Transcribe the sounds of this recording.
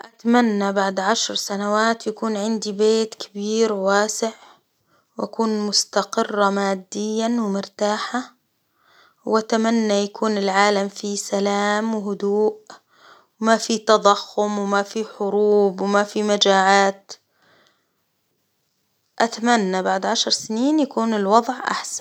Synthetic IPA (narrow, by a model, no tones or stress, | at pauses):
ʔat̪amanːabaʕd̪ʕaʃɾˤsanawaːt̪jakuːnʕɪnd̪ibeːt̪kʰabiːɾwaːsɪʕ | wʔakuːnmʊst̪aqɪrˤːamaːd̪ːɪjːawɪmʊɾt̪aːħa | wʔat̪amanːajakuːnɪlʕaːlamfisalaːmwɪɦʊd̪uːʔ | wmafit̪ɑd̪ˤɑxːʊmwɪmafiħʊɾuːbwɪmafimad͡ʒaːʕaːt̪ | ʔat̪amanːabaʕd̪ʕaʃɑɾˤsɪniːnjakuːnɪlwɑd̪ˤʕʔa̰ħsḁn